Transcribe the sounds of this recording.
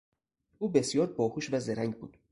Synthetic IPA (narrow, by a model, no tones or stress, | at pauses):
uːbe̞sjɒːɾbɒːhuːʃvæzeɾæŋɟbṵːd̪̥